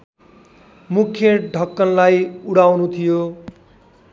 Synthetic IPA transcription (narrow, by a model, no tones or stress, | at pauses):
mukʰjʌɖʱʌkːʌnlajuɽawnut̪ʰijo